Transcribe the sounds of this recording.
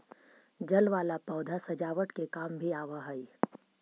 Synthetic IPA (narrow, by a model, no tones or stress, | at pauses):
d͡ʒɐlʋaːlapɔːd̪ʱasɐd͡ʒaːʋəʈkekaːmbʱiaːʋaɦɐi